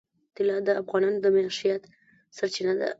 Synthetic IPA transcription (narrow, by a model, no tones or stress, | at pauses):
t̪ɪlɑd̪əafɣɑnɑnod̪əmaʃijat̪ | saɾt͡ʃinad̪a̰